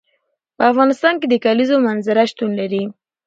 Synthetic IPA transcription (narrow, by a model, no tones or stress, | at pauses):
pəafɣɑnɪst̪ɑnked̪əkalizomanzaɾaʃt̪unlaɾi